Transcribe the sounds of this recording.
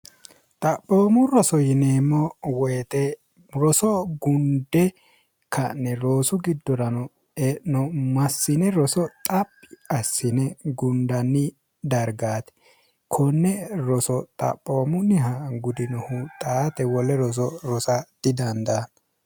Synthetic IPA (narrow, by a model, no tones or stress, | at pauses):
t̪ʼɐpʼːoːmʊɾɔsɔjɪneːmːɔwɔjt̪ɛ | ɾɔsɔɡʊnd̪ɛ | kʰɐnːɛɾo̞ːsʊɡɪd̪ːɔɾɐnɔ | ɛnɔmɐsːɪnɛɾɔsɔt̪ʼɐpːɪɐsːɪnɛɡʊnd̪ɐnːɪ | d̪ɐɾɡaːt̪ɛ̥ | kʰɔnːɛɾɔsɔt̪ʼɐ̰pʼːoːmʊnɪɦɐɡʊd̪ɪnɔhʊt̪ʼaːt̪ɛwɔlːɛɾɔs̬ɔɾɔsɐd̪̥ɪd̪ɐnd̪an